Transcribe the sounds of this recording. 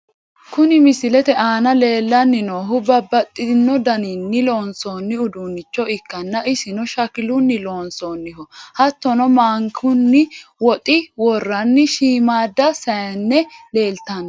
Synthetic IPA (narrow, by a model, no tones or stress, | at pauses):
kʊnɪmɪsɪlɛt̪ɛʔaːnɐle̞ːlːɐnːɪnoːɦʊbɐbːɐt̪ʼːɪnːɔd̪ɐninːɪloːnsoːnːɪʊd̪unːɪt͡ʃːɔɪkːɐnːɐʔɪsɪnɔʃɐkɪlʊnːɪlo̞ːnsoːnːɪhɔhɐt̪ːɔnɔmaːŋkʰʊnːɪwɔt̪ʼɪwɔrːɐnːɪʃiːmaːd̪ːɐsɐjɐnːɛle̞ːlt̪ɐn